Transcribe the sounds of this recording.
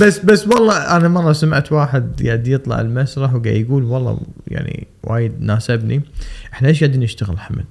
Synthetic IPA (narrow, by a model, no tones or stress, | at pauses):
basːbasːwɑlˤːɑʔanamɑrˤːɑsamaʕt̪waːħɪd̪jaʕd̪ijɨt̪ˤlɑ̰ʕɪ̰lmasɾˤɑħwɡa̰jɡuːlwɑlˤːɑ̰ja̰ʕnḭ | wa̰ːjɪd̪̚naːsɪbniʔɪħnaʔeːʃ̬ɡaʕd̪inɪʃt̪aɣɪlħamɪ̰l